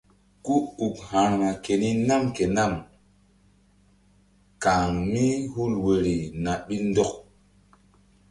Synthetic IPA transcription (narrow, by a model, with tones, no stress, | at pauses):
ku˦u˨khã˨ɾŋa˨ke˨ni˦na˦mke˨na˦˨m | ka˨ŋmi˦hu˦lwe˨ɾi˨na˨ɓi˦ndɔ˦k̚